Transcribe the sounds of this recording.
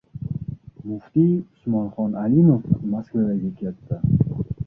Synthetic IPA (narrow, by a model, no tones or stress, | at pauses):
mʊft̪iʊsmɒnχɒnʔalimofmaskvad̪aɡʲakʲʰet̪ːa